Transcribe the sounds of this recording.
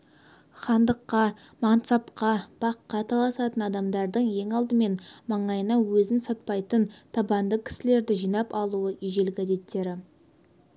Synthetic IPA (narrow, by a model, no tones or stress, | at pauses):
χɑnd̪əqːɑ | mɑnt̪sɑpqɑb̥ɑqːɑt̪ʰɑlˠɑsɑt̪ənɑd̪ɑmd̪ɑɾd̪əɴje̞ŋɑlˠd̪əme̞nmɑɴɑjənɑwɵzɪnsɑt̪̚pɑjt̪ənt̪ʰɑbɑnd̪əkʲʰɪ̥sɪle̞ɾd̪ɪʒijnɑpɑlˠuəiʒe̞lɡʲæze̞t̪ːe̞ɾɪ